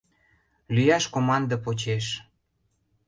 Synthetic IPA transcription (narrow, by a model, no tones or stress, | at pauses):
lyjɑʃkomɑnd̪ɤpot͡ɕeʃ